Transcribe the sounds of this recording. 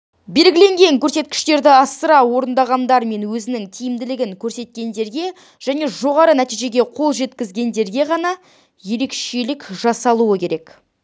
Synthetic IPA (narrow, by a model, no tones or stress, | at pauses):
be̞lɡʲɪle̞ŋɡʲe̞ŋkʲʰɵɾse̞t̪̚kʲɪ̥ʃt̪e̞ɾd̪ɪɑsəɾɑwo̞ɾənd̪ɑʁɑnd̪ɑɾme̞nwɵzɪnɪŋt̪ʲʰijɪmd̪ɪlɪɡʲɪŋkʲʰɵɾse̞t̪̚kʲe̞nd̪e̞ɾɡʲe̞ | ʒ̥æne̞ʒo̞ʁɑɾənæt̪ijʒe̞ɡʲe̞qʰo̞lˠʒe̞t̪kʲɪzɡʲe̞nd̪e̞ɾɡʲe̞ʁɑnɑ | je̞ɾe̞kʃe̞lɪkʒ̥ɑsɑlˠuəkʲʰe̞ɾe̞k